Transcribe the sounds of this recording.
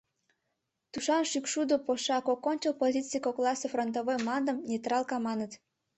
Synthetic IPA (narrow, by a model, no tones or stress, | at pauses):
t̪uʃɑnʃykʃud̪opoʃɑkokːonʲt͡ɕəlpozʲit͡sikoklˠɑsefront̪oβojmɑnd̪ə̆mnʲet̪rɑlˠkɑmɑnət̪